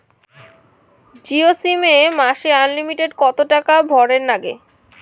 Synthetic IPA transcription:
d͡ʑiosimemaʃeanlimiʈeɖkɔt̪oʈakabʱɔɾeɾnaɡḛ

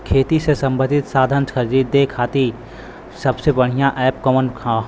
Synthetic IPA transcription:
kʰeːt̪isesɐ̃mbə̃nd̪ʱɪt̪saːd̪ʱənsəɾd͡ʒiːd̪ekʰaːt̪i | sɐbsebɐɽ̤ijãʔɛːpkɔmənkʰ

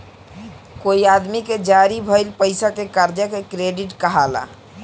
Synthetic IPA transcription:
koiad̪miked͡ʒaɾibʱəjlpəjsakekaɾd͡ʒjəkekɾeɖiʈkəɦala̰

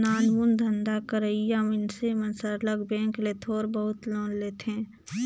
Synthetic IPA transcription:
naːnmund̪ʱənd̪akəɾəijamɪnsemənsəɾləɡbẽːŋklet̪ʰoːɾbəɦʊt̪loːnleːt̪ẽː

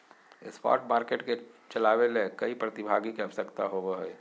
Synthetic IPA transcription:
ḛspa̰ʈmaɾkeʈket͡ʃəlabelekəipɾət̪ibʱaɡikeəbəsəkt̪aɦobəɦəj

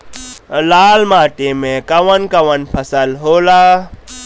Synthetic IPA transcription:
laːlmaːʈemẽkɐwɐnkɐʋənpʰɐsəlɦoːlaː

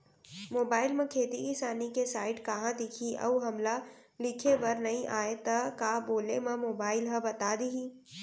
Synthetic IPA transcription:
moːbaːɪlmẽkʰeːt̪iisaːnikesaːɪʈkɐɦãd̪ɪkʰiʔɐ̰uɦɐmla | lɪkʰebɐɾnɐɦĩʔaːet̪ɐkaːboːlemẽmoːbaːɪlɦɐbɐt̪ad̪iɦĩ

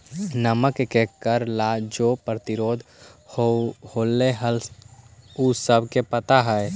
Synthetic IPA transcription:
nəməkkekəɾlad͡ʒoːpɾət̪ɪɾoːd̪ʱ | ohoːlːeɦəl | usəbʱkepət̪aɦɛɛ

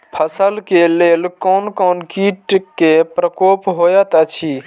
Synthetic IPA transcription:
pʰəsəlkeleːlkoːnkoːnkiːʈkepɾəkoːpɦoːjət̪ət͡ʃʰi

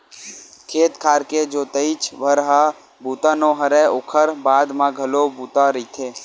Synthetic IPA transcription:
kʰeːt̪kʰaːɾked͡ʒoːt̪əɪt͡ʃʋəɾɦa | buːt̪ãːnõːɦəɾɛoːkʰəɾbaːd̪mãɡʱəloːbuːt̪aɾit̪ʰeː

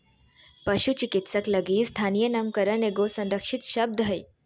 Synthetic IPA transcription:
pəʃut͡ʃikit̪səklɐɡiːst̪ʰanijənɐmkəɾəneɡosɐ̃nɾəkʃit̪ʃɐb̚d̪ʱɦəj

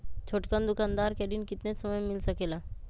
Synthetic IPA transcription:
t͡ʃʰoːʈkand̪ʊkaːnd̪aːɾkɛɖinkɪt̪nesəməjmɪlsəkelaː

